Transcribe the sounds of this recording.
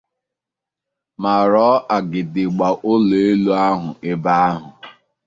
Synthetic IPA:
ma˨ɾɔː˨˦ʔa˨ɡɪ˨dɪ˨ɡ͡ba˨ʔʊ˦le˨e˦lu˦a˦ɦʊ̰˨ɪ˦ba˦a˦ɦʊ˨

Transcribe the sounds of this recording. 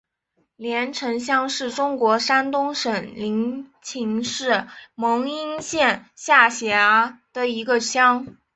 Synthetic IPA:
ljɛ˧˥nʈ͡ʂʰɤ˧˥ŋɕjɑ˥ŋʂɻ̩˥˩ʈ͡ʂʊ˥ŋkwɔ˧˥ʂa˥nt̪ʊ˥ŋʂə˨˩nli˧˥ŋt͡ɕʰi˧˥ŋʂɻ̩˥˩mɤ˧˥ŋi˥nɕjɛ˥˩nɕja˥˩ɕjɛ˧˥ə˧˥d̪̥ə˨i˧˥ɡə˧ɕjɑ˥ŋ

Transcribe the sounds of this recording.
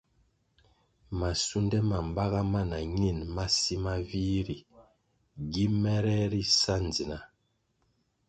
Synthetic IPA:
ma˨su˦ndɛ˦ma˨m˨ba˦ɣa˦ma˦na˨ɲi˦˨nma˦si˦ma˦vi˦ɾi˨ | ɡi˦mɛ˦ɾɛ˦ɾi˦sa˦n˨zi˨na˨

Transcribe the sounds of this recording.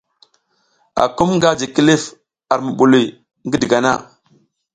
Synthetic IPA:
a̰˨ku˦mŋɡa˦d͡ʒi˨ki˦li˦f | a˨ɾmu˨ɓu˨li˨j | ŋɡi˦di˨ɡa˨na̰˦˨

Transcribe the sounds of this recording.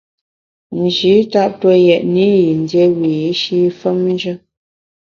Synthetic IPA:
n̩˨ʒi˨˦ta˦p̚twə˦jɛ˨ʔni˦ji˨n˨djɛ˦wi˨ji˦ʃi˦fə˦m˦n˦d͡ʒə˦

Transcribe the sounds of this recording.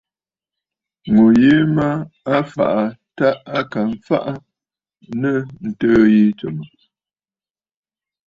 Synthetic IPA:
ŋo˨je˦ma˦a˦fa̰˨ʔa˨ta˦a˦ka˨ɱ̩˨fa̰˦ʔa˦ | nə˦˨n̩˨təː˦ji˦t͡so˨mə˨

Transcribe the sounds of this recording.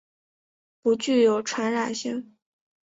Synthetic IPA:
pu˧˥t͡ɕy˥˩jo˨˩ʊʈ͡ʂʰwa˧˥nɻa˨˩nɕi˥˩ŋ

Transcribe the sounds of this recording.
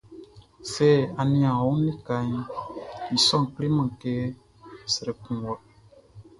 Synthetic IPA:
se˦˨a˨nĩ˦ã˨u˦nĩ˦ka˧ɲ˦i˨sɔ̃˦ŋ˨kli˦mã˨ke˦ | sə˨ɾe˨kũ˨wɔ˨

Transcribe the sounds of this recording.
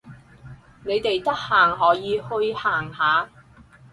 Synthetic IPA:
ne˨˧jt̪e˨jt̪ɐ˥k̚haː˨˩ŋɔː˨˥jiː˨˧hɵ˧ɥhaː˨˩ŋhaː˨˧

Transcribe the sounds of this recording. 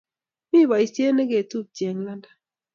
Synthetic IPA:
mi˦˨wa˨i˨sje˦ne˦ɡe˨tu˦˨p̚t͡ʃje˨ŋla˦nda˨

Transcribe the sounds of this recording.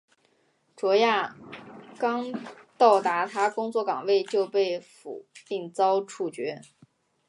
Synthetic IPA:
ʈ͡ʂwɔ˧˥ja˥˩ | kɑ˥ŋt̪ɑ˥˩ʊt̪a˧˥t̪ʰa˥kʊ˥ŋt͡swɔ˥˩kɑ̰˨˩ŋwe˥˧ɪt͡ɕjo˥˧ʊpe˥˩ɪfṵ˨˩˦pi˥˩ŋt͡sɑ˥ʊʈ͡ʂʰu˥˩t͡ɕɥɛ˧˥

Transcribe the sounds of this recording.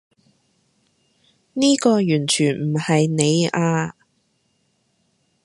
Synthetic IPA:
niː˥kɔː˧jyː˨˩nt͡ʃʰyː˨˩nm̩˨˩hɐ˨jne˨˧jaː˧

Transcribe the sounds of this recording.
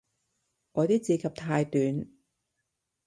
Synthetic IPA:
ŋɔː˨˧t̪iː˥t͡siː˨˧kʰɐ˨˧p̚t̪ʰaː˧jt̪yː˨˧n

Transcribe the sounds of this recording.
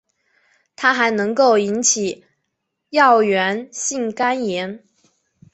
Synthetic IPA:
t̪ʰa˥xa˧˥ɪnɤ˧˥ŋko˥˩ʊi˧˥nt͡ɕʰi˨˩ | jɑ˥˩ʊɥɛ˧˥nɕi˥˩ŋka˥njɛ˧˥n

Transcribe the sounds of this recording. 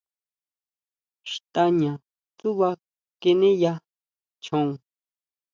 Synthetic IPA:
ʃt̪a˧ɲã˨ | t͡su˦βa˧ | ke˧nẽ˦ja˧ | t͡ʃʰõ˧

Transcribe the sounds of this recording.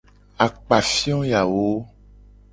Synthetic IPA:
a˨k͡pa˨fi˦ɔ̃˦ja˨wo˦

